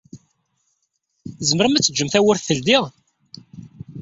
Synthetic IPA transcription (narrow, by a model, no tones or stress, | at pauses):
zəməɾəmæt͡sːəd͡ʒːəmθæwəɾθθəld̪iʁ